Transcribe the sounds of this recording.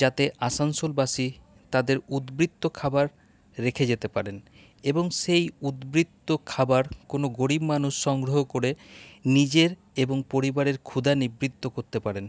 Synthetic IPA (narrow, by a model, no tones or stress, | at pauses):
d͡ʑat̪eʔasansolbaʃi | t̪ad̪eɾud̪bɾit̪ːokʰabaɾː | ekʰed͡ʑet̪epaɾen | eboŋʃejud̪bɾit̪ːokʰabaɾkonoɡoɾibmanuʃːɔŋɡɾoɦokoɾenid͡ʑeɾ | eboŋpoɾibaɾeɾkʰud̪anibɾit̪ːokoɾt̪epaɾen